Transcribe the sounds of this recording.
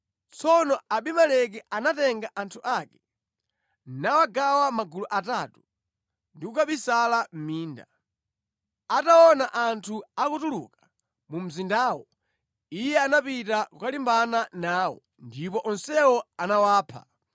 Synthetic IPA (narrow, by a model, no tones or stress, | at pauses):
t͡sɔnɔaɓimalɛk̬ɛanatɛŋɡaʔantʰuʔakɛ | nawaɡawamaɡuluʔatatu | ndikukaɓisalam̩miːnda̰ | ataɔnaʔantʰuakutuluka | mum̩zindaːwɔ | ijɛanapitakukalimbananaːwɔ̰ | ndipɔʔɔnsɛwɔanawaːpʰa̰